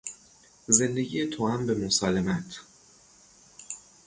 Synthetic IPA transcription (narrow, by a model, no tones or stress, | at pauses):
ze̞nd̪e̞ɟijet̪ʰoæmbemosɒːlemæt̪ʰ